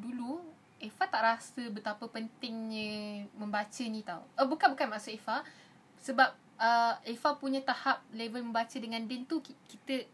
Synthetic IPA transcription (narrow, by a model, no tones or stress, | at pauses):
dulu | efat̪aʔɾasəbət̪apəpənt̪ɪŋɲə̃mə̃mbat͡ʃənĩt̪a̰wəbukanbukanmaʔsʊʔefa | səbap̚ | əefapuɲãt̪ahap̚levəlmə̃mbat͡ʃədəŋãndɛnt̪ukit̪ə